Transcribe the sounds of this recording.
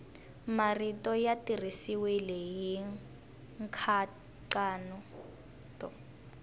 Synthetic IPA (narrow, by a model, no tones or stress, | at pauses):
maritɔjatirisiwilɛji | ŋkʰa | ǃanu | tʼɔ